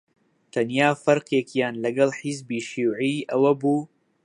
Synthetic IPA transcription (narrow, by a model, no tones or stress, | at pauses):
t̪ʰɐnjaːfɐɾqjekjaːnlɐɡɐlħizbiːʃiwʕiːɐwɐbuː